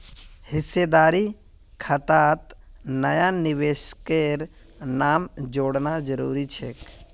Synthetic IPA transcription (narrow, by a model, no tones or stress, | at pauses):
hɪsːed̪aːɾi | kʰət̪aːt̪nəjanɪʋeːʃkeɾ | naːmd͡ʒoːɽnad͡ʒəɾṵːɾit͡ʃʰek